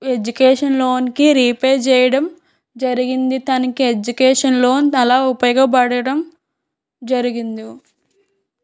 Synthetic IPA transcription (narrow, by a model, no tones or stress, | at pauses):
e̞d͡ʒukɛːʂɐnlo̞ːnkiɾiːpɛːt͡ʃɛːjɐɽɐm | d͡ʒɐɾiɡind̪it̪ɐnɐkied͡ʒukɛːʂɐnlo̞ːnit̪ɐlaːupɐjɔɡɐp̬ɐɽɐɽɐm | d͡ʒɐɾiɡind̪i